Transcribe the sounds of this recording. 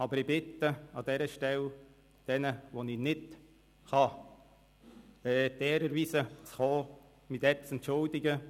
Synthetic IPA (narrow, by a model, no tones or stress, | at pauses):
ɑbəɾɪbɪt̪ːəɑd̥̪ɛɾəʃtɛl | d̪̥ɛnəʋoninɪt | χɑ | ɛːdɛːɾəɾʋiːsət͡sχoː | mit̪ɛɾt͡sɛntt͡ʃʊld̪ɪɡə